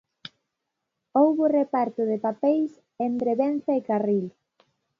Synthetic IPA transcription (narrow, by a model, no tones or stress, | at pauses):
owβʊrepaɾt̪ʊðɪpapejs | ent̪ɾeβenθɐekaril